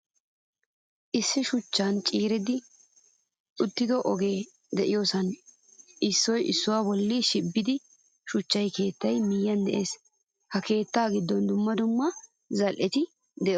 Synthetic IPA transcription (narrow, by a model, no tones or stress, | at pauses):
ʔɪsːɪʃʊt͡ʃːant͡ʃʼiːɾɪd̪ɪ | ʔʊt̪ːɪd̪ɔʔɔɡe̞ː | d̪ɛʔɪjoːsɐn | ʔɪsːɔjʔɪ̰sːʊwaːbɔlːiʃɪbːɪd̪ɪ | ʃʊt͡ʃːɐjke̞ːt̪ːɐjmɪjːɐnd̪ɛʔe̞ːs | hɐke̞ːt̪ːaːɡɪd̪ːɔnd̪ʊmːɐd̪ʊmːɐ | zɐlʔɛt̪ɪ | d̪ɛʔɔ